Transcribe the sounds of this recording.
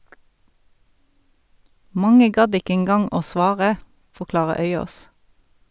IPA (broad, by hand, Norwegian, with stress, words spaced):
ˈmɑŋə ˈɡɑd ˈɪkə ɛnˈɡɑŋ ˈoː ˈsʋɑːʁə fɔʁˈklɑːʁə ˈœʏˌoːs